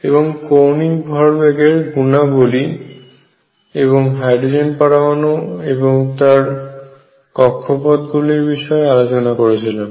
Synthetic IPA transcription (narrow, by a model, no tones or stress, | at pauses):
eβoŋkowniŋbʱɔɾbeɡeɾɡunaboli | eβoŋɦajɖɾod͡ʑenpaɾamanoeboŋt̪aɾ | kɔkʰːopɔd̪ɡuliɾbiʃɔealot͡ɕonakoɾet͡ɕʰilen